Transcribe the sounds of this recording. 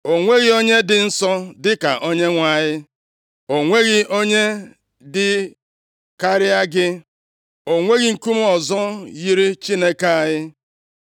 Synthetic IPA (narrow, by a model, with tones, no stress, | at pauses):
o˨ŋʷe˦ɣɪ˦o˦ɲe˦dɪ˨n̩˦sɔ˦dɪ˦ka̰˨ʔo˦ɲe˦ŋʷa˨ɲɪ˦ | o˨ŋʷe˦ɣɪ˦o˦ɲe˦ | dɪ˨ | ka˦ɾɪ˦a˦ɡɪ˦ | o˨ŋʷe˦ɣi˨ŋ̩˨ku˦m̩˦ɔ˨zɔ˦ji˦ɾi˦t͡ʃi˦ne˦ke˦a˨ɲɪ˦